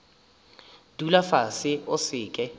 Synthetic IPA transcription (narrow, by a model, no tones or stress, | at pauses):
d̥ulafasɪʊsɪːkʼɛ